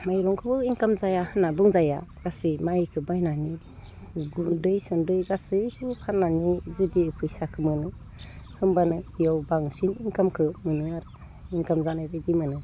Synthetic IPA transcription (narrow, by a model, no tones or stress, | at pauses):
majɾɔŋkʰɯbɯiŋkamzajahɯnːabɯŋzaja̰ɡ̥asɯjmajkʰɯbajnani | ɡuldɯjsɔndɯjɡasɯkʰɯpʰanːanizudipʰɯjsakʰɯmɯnɯ | hɯmbanɯbijawbaŋsiniŋkamkʰɯmɯnɯaɾ | iŋkamzanajbajdimɯnɯ